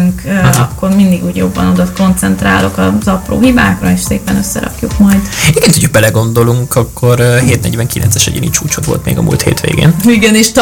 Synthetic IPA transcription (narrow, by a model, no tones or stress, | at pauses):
ŋkɒkːo̞rmind̪iɡuːɟjo̞bːɒno̞d̪ot̪ko̞nt̪sɛnt̪ra̰ːlo̞kɒzɒpro̰ːɦibaːkrɒeːʃseːpɛnø̞sːɛ̰ɾɒ̰kjukmɒjd̪iɡɛnt̪uɟøbɛlɛɡo̞nd̪o̞luŋkɒkːo̞rɦeːt̪nɛɟʋɛŋkilʔɛ̰nt̪sɛʃɛɟḛːnit͡ʃuːt͡ʃot̪ʋo̞̰lt̪mḛːɡɒmṵːlt̪heːt̪ʋḛːɡḛːniɡɛneːʃt̪